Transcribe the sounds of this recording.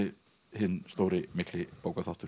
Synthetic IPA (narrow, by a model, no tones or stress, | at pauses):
ɪ | hɪnːst̪oːwɾɪmɪklɪpoːwkaθawht̪ʏɾ̥